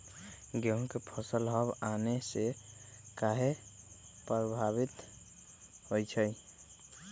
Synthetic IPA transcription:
ɡeɦkepʰəsəlɦɔbanesekaɦe | pbʱabit̪ | hojt͡ʃʰəj

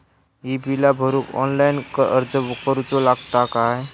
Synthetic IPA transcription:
ibʱilabʱəɾukɔ̰nlajnkəʔəɾd͡zəkəɾut͡solaɡt̪akae

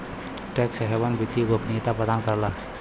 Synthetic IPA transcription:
ʈɛksəɦebanbit̪iɡopʰnit̪apəd̪ankəɾla

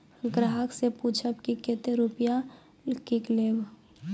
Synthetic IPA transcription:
ɡɾaɦəkseput͡ʃʰəb̚kiket̪eɾupja | kikleːw

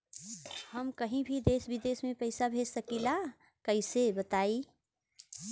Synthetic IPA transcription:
həmkəɦĩbʱid̪eːsbɪd̪eːsmẽpəɪsabʱed͡ʒsəkila | kəɦɪsebət̪aːi

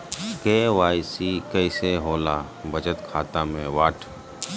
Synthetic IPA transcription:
keːʋaːjsikɛɪseɦoːla | bəd͡ʒət̪kʰaːt̪ãmẽʋaːʈʰ

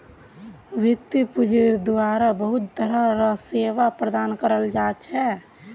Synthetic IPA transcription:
ʋɪt̪ːpud͡ʒiɾd̪aːɾabəɦʊt̪̚d̪əɾəɾəseːʋapɾəd̪aːnkəɾəld͡ʒaːt͡ʃʰɛ

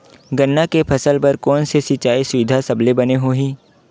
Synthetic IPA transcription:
ɡənːakepʰɐsəlpɐɾkɔːnsesɪt͡ʃaːisʊɪd̪ʱasɐblebɐneɦoːɦĩː

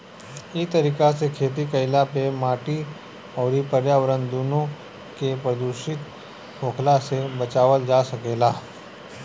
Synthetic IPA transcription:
it̪əɾiːkasekʰeːt̪̬ikəɪlapemaːʈi | ɔːɾipəɾjaːʋəɾənd̪uːnõ | kepɾəd̪uʃɪt̪ | ɦoːkʰlasebət͡ʃaːʋəld͡ʒaːsɐkeːlaː

